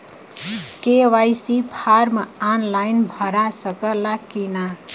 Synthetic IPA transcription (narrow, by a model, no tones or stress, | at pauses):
kewajsipʰaɾmaanlajnbʱʌɾasʌkəlakina